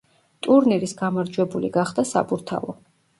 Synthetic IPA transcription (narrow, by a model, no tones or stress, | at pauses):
t̪ʼuɾniɾisɡamaɾd͡ʒwɛbuliɡaχd̪asa̰pʼuɾt̪ʰa̰vɔ̰